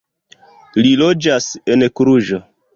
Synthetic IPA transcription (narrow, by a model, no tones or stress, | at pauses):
lilod͡ʒasenkɾuʒo